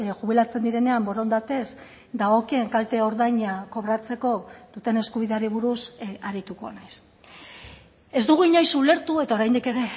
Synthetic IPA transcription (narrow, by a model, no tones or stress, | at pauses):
ɣuβ̞ilat͡se̞nd̪iɾe̞ne̞ambo̞ɾo̞nd̪at̪e̞z | d̪aɣo̞kie̞ŋkalt̪e̞o̞ɾðajɲako̞βɾat͡se̞ko̞ð̥ut̪e̞ne̞skuβiðe̞aɾiβ̞uɾusaɾit̪uko̰najs | e̞zd̪uɣ̞uiɲajsule̞ɾt̪ue̞t̪ao̞ɾajnd̪ike̞ɾe̞